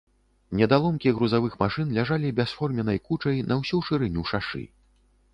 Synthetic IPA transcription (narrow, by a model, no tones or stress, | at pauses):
nʲɛd̪alˠɔmkʲiɣɾuzavɨxmaʂɨnlʲaʐalʲibʲɛsfɔrmʲɛnɐjkut͡ʂɐjnʔɐwsʲuʂɨɾɨnʲuʂaʂɨ̰